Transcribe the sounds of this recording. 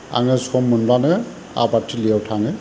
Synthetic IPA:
a̰ŋɛsɔmːunbanɛ | a̰batʰːiliɛwtʰaŋɛ

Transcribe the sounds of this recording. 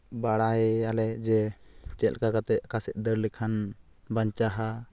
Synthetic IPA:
baɽaɦɛalɛd͡ʒɛt͡ʃɛl̚kakat̪ɛʔ̚kasɛʔ̪̚ˀd̪əɾlikʰan | baɲt͡ʃaɦa

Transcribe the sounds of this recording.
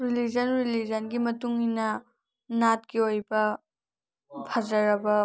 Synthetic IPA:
ɾilid͡ʒɐnɾilid͡ʒɐnɡimɐtuŋinɐ | nat̚ɡiojbɐ | pʰɐzɐɾɐbɐ

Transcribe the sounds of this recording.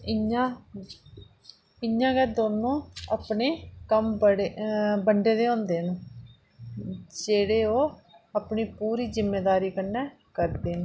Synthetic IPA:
ɪã | ɪjãːɡɛːd̪oːnõːapneːkəmbɽebəɳɖeːd̪eːõːnd̪eːnː | d͡ʒeːɽeːoːaːpɳiːpuːɾiːzɪmːeːd̪aːɾiːkənːɛː | kəɾd̪eːnː

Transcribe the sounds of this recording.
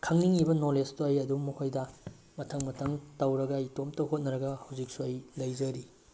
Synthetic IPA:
kʰɐŋniŋibɐnolestoajɐdumɐkʰojdɐ | mɐtʰɐŋmɐtʰɐŋtɐwɾɐɡɐitomtɐɦot̚nɐɾɐɡɐhɐwzik̚suajlɐjzɐɾi

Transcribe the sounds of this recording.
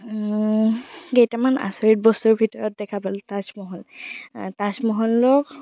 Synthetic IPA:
ɡejtamana̰sɔɹit̚bɔstuɹbʱitɔɹɔt̚dɛkʰabaltasmɔɦɔltasmɔɦɔlːɔk

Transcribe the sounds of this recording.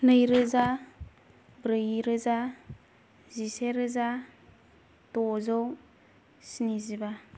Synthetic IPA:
nɯjɾɯza | bɾɯjɾɯza | ziseɾɯza | tɔzow | siniziba

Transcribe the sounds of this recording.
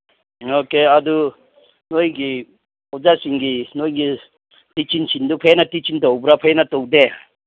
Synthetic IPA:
okead̪u | nojŋɡi | ɔd͡zasiŋɡinojŋɡi | tit͡ʃint͡ʃʰind̪upʰejnatit͡ʃind̪ɔwbɾapʰəjnat̪ɔwd̪ea

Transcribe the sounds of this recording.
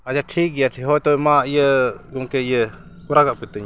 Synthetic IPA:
ad͡ʒaʈʰiːk̚ɡɛjaʈʰiɦɔjt̪ɔmaʔijəɡɔŋkɛijə | kɔɾaɡaʔpit̪əɲ

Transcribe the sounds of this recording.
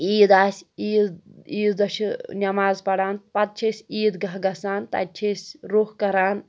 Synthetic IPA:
iːd̪aːsʲiːiːd̪ɐʃʰinʲɐmaːzpɐɽaːnpɐt̪̚t͡ʃʰisʲiːd̪ɡɐɦɡɐsaːnt̪ɐ̰t͡ʃʲʰisʲɾuhkɐɾaːn

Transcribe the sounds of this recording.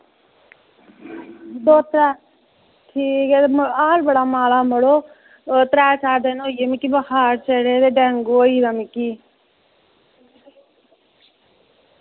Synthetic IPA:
d̪oːt̪ɾɛ | ʈʰiːkemaːlbɐɽaːmaːlamɐɽo | t̪ɾɛːt͡ʃʰaːd̪ɐnoːjemikibɐhaːɾt͡ʃeɽeːɾeɖɛŋɡoːiɾɐmiki

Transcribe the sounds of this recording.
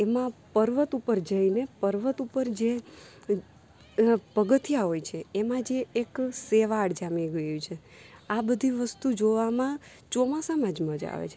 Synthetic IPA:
emãpəɾʋət̪upəɾd͡ʒəinepəɾʋət̪upəɾd͡ʒe | pəɡət̪ijaɦojt͡ʃʰeːmãd͡ʒeːkseʋaɽd͡ʒamiɡəjũt͡ʃʰe | abəd̪ʱiʋəst̪ud͡ʒoʋamã | t͡ʃomãsamãd͡ʒmãd͡ʒa̰ʋḛt͡ʃʰe

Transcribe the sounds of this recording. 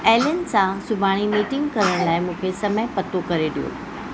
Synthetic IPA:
ɛːljənsãsʊbʱaːɽ̃imiːʈɪ̃ŋɡkɐɾəɽ̃laːɪmũːkʰesɐməɦɪpɐt̪okɐɾeɗijo̰

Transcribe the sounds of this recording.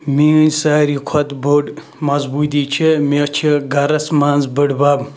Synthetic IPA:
minsaːɾikʰɐt̪buɖ | mɐzbuːt̪̬it͡ʃʰemet͡ʃʰiɡɐɾɐsmaːnzbəɖbaːb

